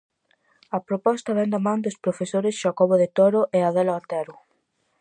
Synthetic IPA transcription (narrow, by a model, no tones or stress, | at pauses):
ɐpɾopɔst̪ɐβɛnd̪amãŋd̪ospɾofesoɾɪsʃakoβoðet̪oɾoʔɛaðɛlaant̪ɛɾʊ